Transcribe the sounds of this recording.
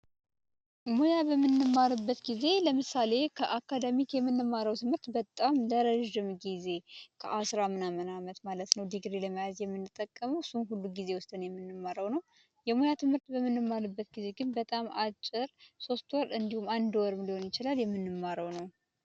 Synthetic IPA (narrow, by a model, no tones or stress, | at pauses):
mo̞jabəmːɨnːɨmːaɾɨbːət̪ɡize̞ləmɨsale̞kʰəʔakʰːad̪əmikjɛmːɨnːɨmːaɾəwt̪ʰɨmhɨɾt̪bət̪ʼamləɾəʒːɪmɡize̞kʰə̰ʔasɾamɨnamənamət̪malət̪nəwd̪ɨɡɾeləmajazjɛmːɨnːɨt̪ʼːəkʼːəməwsunɦulːuɡize̞wʊst̪ʼɨnjɛmːɨnːɨmːaɾəwnəw | jɛmo̞jat̪ʰɨmhɨɾt̪bəmːɨnːɨmːalɨbːət̪̚ɡize̞ɡɨnbət̪ʼamat͡ʃʼːɪɾso̞st̪wɔɾɨnd̪ihumand̪wɔɾɨmliho̞njɪt͡ʃɪlaljɛmːɨnːɨmːaɾəwnəw